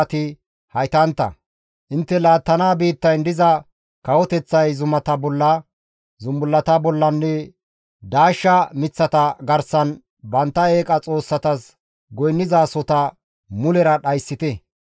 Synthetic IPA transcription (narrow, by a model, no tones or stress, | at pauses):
t̪ɪ | hɐjt̪ɐnt̪ːɐ̰ | ʔɪnt̪ːɛlaːt̪ːɐnaːbiːt̪ːɐjnd̪ɪzɐ | kɐwɔt̪ɛt͡sːɐjzʊmɐt̪ɐbɔlːɐ | zʊmbʊlːɐt̪ɐbɔlːɐnːɛ | d̪aːʃːɐmɪt͡sːɐt̪ɐɡɐɾsɐn | bɐnt̪ːɐe̞ːkʼɐt͡sʼo̞ːsːɐt̪ɐs | ɡɔjnːɪzaːsɔt̪ɐ | mʊlɛɾɐɗɐjsːɪt̪ɛ